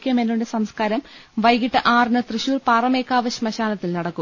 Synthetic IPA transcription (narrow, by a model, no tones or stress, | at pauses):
kʲjɐmenːuɳdesɐmskaːɾɐmʋɐjɡiʈːɨʔaːrnɨt̪rɨɕuːrpaːrɐmeːkːaːʋɐɕmɐɕaːlɐt̪ːilnɐɽɐkːu